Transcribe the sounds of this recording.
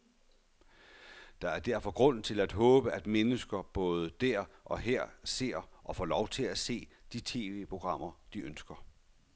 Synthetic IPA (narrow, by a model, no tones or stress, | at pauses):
d̥ɑ̈æɐd̥æɐ̰fɒ̽ɡ̥ʁɔ̽n̰n̩t͡sʰe̝læd̥ɦɔ̽ːb̥əæd̥menəsɡ̥ɐb̥ɔ̽ːð̞ˠəd̥æɐ̰ʔɒ̽ɦeɐ̰se̝̰ɐ̰ʔɒ̽fɒ̰lɒʊt͡sʰe̝læse̝̰ːd̥it͡sʰe̝ːʋe̝̰ːpʰʁo̝ɡ̥ʁɑ̈m̰ɐd̥iʔønsɡ̥ɐ